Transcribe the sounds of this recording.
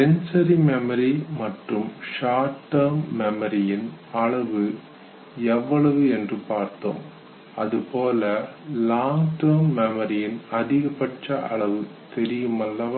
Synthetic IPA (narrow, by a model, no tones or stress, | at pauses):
ɛnsɐɾimɛmɐɾimɐʈrɯmʂaːʈːɐɾmːɛmɐɾɪjɪnɐɭɐʋɯ | ɛʋːɐɭɐʋɯɛndrɯpaːɾt̪o̰ːm | ɐðɯpoːlɐlaːŋɡʈɐːɾmːɛmɐɾɪjɪnɐðɪɣɐpɐʈrɐʔɐ̰ɭɐʋɯ | t̪ɛɾɪjɯmɐlːɐ